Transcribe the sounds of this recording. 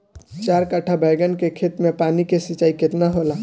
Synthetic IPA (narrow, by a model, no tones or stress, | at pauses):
t͡ʃaɾkəʈʰabʱəɪɡənkekʰet̪mepanikesit͡ʃaːiket̪naɦola